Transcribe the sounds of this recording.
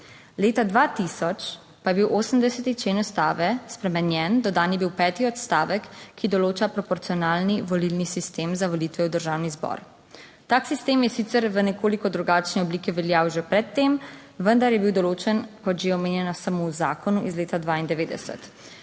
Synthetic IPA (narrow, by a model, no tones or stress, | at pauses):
leːt̪ad̪ʋaːt̪isɔt͡ʃ | pajɛbiwʔoːsəmd̪ɛsɛt̪it͡ʃleːnɔst̪aːʋɛspɾɛmɛnjɛnd̪ɔd̪aːnjɛbiwpɛːt̪iɔt̪st̪aːʋəkːid̪ɔloːt͡ʃapɾɔpɔɾt̪sijɔnaːlniʋɔlilnisist̪eːmzaʋɔliːt̪ʋɛwd̪əɾʒaːwnizbɔ̰ɾ | t̪aːksist̪eːmjɛsit̪sɛɾʋənɛkoːlikɔd̪ɾuɡaːt͡ʃnɛɔbliːkɛʋɛljawʒɛpɾɛt̪ːem | ʋənd̪aɾjɛbiwd̪ɔloːt͡ʃɛnkɔt̪ʒeɔmeːnjɛnasamowzaːkɔnuʔizleːt̪ad̪ʋaind̪ɛʋeːd̪ɛ̰sə̰t̪